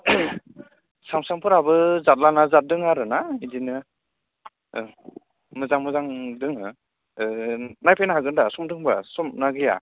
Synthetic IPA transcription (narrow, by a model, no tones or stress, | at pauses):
samsampʰɯɾabɯzat̚lanazat̚dɯŋaɾɯnaidinɯ | mɯzaŋmɯzaŋdɯŋ | najpʰajnaɦaɡɯndasɔmdɯŋbasɔmnaɡɯja̰